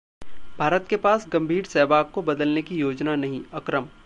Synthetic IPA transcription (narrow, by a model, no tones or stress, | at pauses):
bʱaːɾət̪kepaːsɡɐ̃mbʱiːɾsɛːbaːkkobɐd̪əlnekijoːd͡ʒnanɐɦĩɐkɾəm